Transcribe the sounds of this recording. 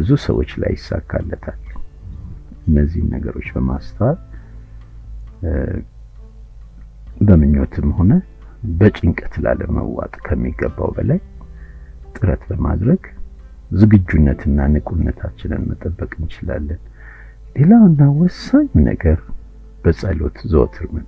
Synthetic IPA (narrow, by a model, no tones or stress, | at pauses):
bɨzusə̰wo̞̰t͡ʃːla̰jːɪsːaɡːalːət̪ʰal | ʔɨnːəzːḭhɨnːʔəɡəɾo̞t͡ʃːbəmast̪ʰawat̪ʼ | bəmɨɲːo̞t̪ʰɨmho̞nə | bət͡ʃʼɪŋkʼət̪laləmə̰wat̪ʼkʰəmːiɡːəbːa̰wbəlaj | t̪ʼɨɾət̪bəmad̪ɾəɡ | zɨɡɨd͡ʒːunːət̪ʰɨnːanɨkʼunːət̪ʰat͡ʃːɪnɨ̰nmət̪ʼəbːəkʼɨnt͡ʃɪla̰lːən | le̞lawɨnːawɔsaɲːunə̰ɡəɾ | b̥əsʼalo̞t̪zəwt̪ʰɨɾmɨn